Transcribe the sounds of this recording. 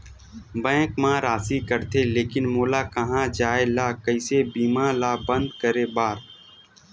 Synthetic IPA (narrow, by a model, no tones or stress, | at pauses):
bɛ̃ːkmãːɾaːsiːkəɾt̪ʰeːleːkɪnmoːlaːkəɦãːd͡ʒaːelaːkəɪsebiːmãːlaːbə̃nd̪kəɾeːbaːɾ